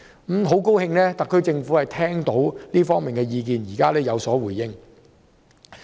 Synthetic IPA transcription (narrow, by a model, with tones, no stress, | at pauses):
m̩˨˥mɦo˨˥wko˥whɪ˧ŋlɛː˥t̪ɐ˨kʰːɵ˧ɥt͡sɪ˧ŋfuː˨˥hɐ˨˩jt̪ʰɛː˥ŋt̪o˨˥wliː˥fɔː˥ŋmiː˨˩nkɛː˧jiː˧k̬iː˨˧njiː˨˩kaː˥lɛː˥jɐ˨˧wsɔː˨˥wuː˨˩jːɪ˥ŋ